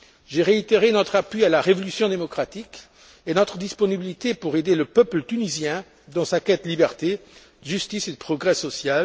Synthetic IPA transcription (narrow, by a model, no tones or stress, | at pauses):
ʒeʁeit̪eʁenɔt̪χapɥialaʁevɔlysjɔ̃d̪emɔkχat̪ik | enɔt̪χəd̪ispɔnibilit̪epuʁed̪eləpœplət̪ynizjɛ̃ | d̪ɑ̃sakɛt̪libɛʁt̪e | əʒyst̪ised̪əpχɔɡʁɛsɔsjal